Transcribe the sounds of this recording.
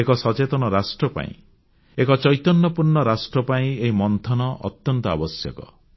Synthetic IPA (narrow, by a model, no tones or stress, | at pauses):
ekɔsɔt͡ʃet̪ɔnɔɾasʈɾɔpa̰ḭ̃ | ekɔt͡ʃɔjt̪ɔnːɔpuɾɳɔɾasʈɾɔpaĩeɦimɔnt̪ʰɔnɔʔɔ̰t̪jɔnt̪ɔa̰bɔsjɔkɔ̰